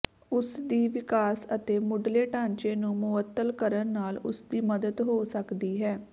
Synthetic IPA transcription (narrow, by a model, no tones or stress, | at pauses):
ʊsd̪iːʋɪkaːsət̪eːmʊɖleːʈãːɲt͡ʃeːnũːmʊət̪ːəlkəɾənːaːlʊ̰sd̪iːməd̪əd̪ɦoːsəkd̪iːɦɛː